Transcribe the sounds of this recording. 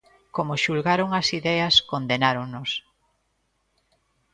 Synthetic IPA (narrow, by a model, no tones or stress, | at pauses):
komoʃulɣaɾoŋɐsiðɛɐskond̪enaɾoŋnos